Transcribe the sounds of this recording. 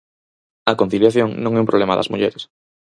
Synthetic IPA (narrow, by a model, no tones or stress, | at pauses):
ɐkõn̟θiljaθjoŋnõŋɛumpɾoβlemaðɐ̰zmuʎeɾes